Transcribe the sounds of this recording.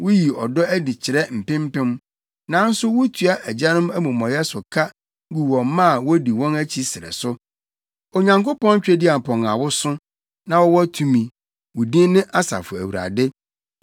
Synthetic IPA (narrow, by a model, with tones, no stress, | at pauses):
wʊ˦ji˨ɔ˨dɔ˦æ˦di˨t͡ɕʰɪ˨ɾɛ˦m̩˨pɪ̃˦m̩˦pɪ̃˦m | nã˨˦n̩˦sʊ˦wʊ˦tʰu˨a˦ʔæ˨d͡ʑa˦nʊ̃˦mæ˦mũ˨mɔ̃˨jɛ˦sʊ˨kʰa˦ | ɡu˨wɔ̃˨mː˦ã˦˨wɔ˦di˨wɔ̃˦næ˦t͡ɕʰi˦sɪ˨ɾɛ̰˨sʊ˦ | o˨ɲã˨ŋko˦pɔ̃˦n˦t͡ɕᶣɛ˦di˦a˨pʰɔ̃˨ŋa˨wʊ˦sʊ˦ | nã˨wɔ˦wɔ˦tʰu˨mĩ˨ | wʊ˨dĩ˦n˦nɪ̃˦ʔa˦sa̰˨fʊ˨æ˨wu˨ɾa̰˨dɪ˦